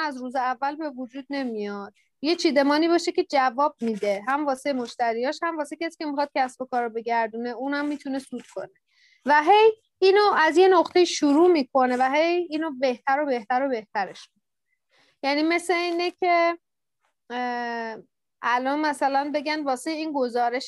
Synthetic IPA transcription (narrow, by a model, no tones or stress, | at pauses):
æzruːzeævːælbe̞vud͡ʒuːd̪̚ne̞mijɒd̪̥̚ | je̞t͡ʃʰiːd̪e̞mɒːniːbɒːʃe̞cʰe̞d͡ʒævɒːb̚miːd̪e̞ɦæmvɒːsemo̞ʃt̪æɾijɒːʃhæmvɒːsecʰʲæsi̥ːcʰe̞mixɒd̪̚cʰæsbo̞kʰɒːɾobe̞ɟæɾd̪uːneuːnhæmːit̪ʰune̞suːd̪̥̚kʰo̞̰ne | væɦe̞j | iːnoʔæzje̞noqt̪e̞iʃuɾuːmiːkʰo̞ne̞væɦe̞jiːnobe̞ht̪ʰæɾo̞be̞ht̪æɾo̞be̞ht̪æɾe̞ʃmikʰoon | jæniːme̞seiːnecʰe̞ | ʔælɒnmæsælænbe̞ɡænvɒːsejiːnɡo̞zɒːɾe̞ʃ